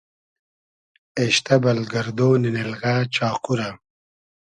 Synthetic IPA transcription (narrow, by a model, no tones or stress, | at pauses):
eɕt̪ɐbɐlɡɐɾd̪oːninelɣaːt͡ʃaːquɾa